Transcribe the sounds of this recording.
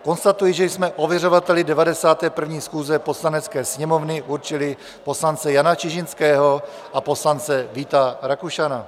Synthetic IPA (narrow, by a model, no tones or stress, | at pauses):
ko̞nst̪at̪ujɪʒɛjsmɛʔo̞vjɛro̞vat̪ɛlɪdɛvadɛsaːt̪ɛːpr̩vɲiːsxuːzɛpo̞slanɛt͡skɛːsɲɛmo̞vnɪʔuɾt͡ʃɪlɪ | po̞slant͡sɛjanat͡ʃɪʒɪnskɛːɦo̞ | ʔapo̞slant͡sɛviːt̪aɾakuʃana